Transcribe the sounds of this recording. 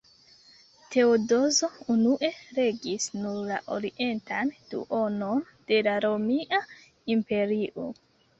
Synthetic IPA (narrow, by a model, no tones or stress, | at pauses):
te̞odo̞zo̞unuʔe̞ɾe̞ɡisnuɾlaʔo̞̰ɾiʔe̞ntand̥ṵʔo̞no̞n | d̥e̞laɾo̞miʔa | impe̞ɾiʔo̰